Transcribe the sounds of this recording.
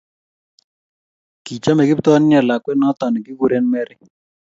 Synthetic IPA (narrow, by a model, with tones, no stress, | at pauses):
ki˨t͡ʃa˦mɛ˨ki˦ptɔ˦n˦ɛ˨la˨kwɛ˦nɔ˦tɔ˨ni˨ki˦ku˦ɾe˦nmɛ˦ɾi˦